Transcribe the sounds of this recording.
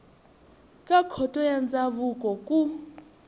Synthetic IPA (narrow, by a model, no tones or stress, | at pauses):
kʼakʰɔtʼɔjand͡zʼavukʼɔkʼu